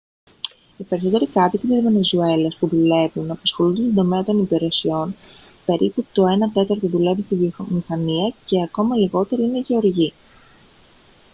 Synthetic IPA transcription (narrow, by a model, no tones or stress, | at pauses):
ipe̞ɾiso̞t̪e̞ɾikɐt̪ik̪it̪izmenezue̞lespuðule̞vunɐpɐsxo̞lund̪st̪ond̪o̞me̞ɐt̪o̞nipiɾe̞sio̞n | pe̞ɾʔiput̪o̞e̞nɐt̪e̞t̪ɐɾt̪oðule̞vist̪ivmixɐniɐce̞ɐko̞mɐliɣo̞t̪e̞ɾiineʝe̞o̞ɾʝi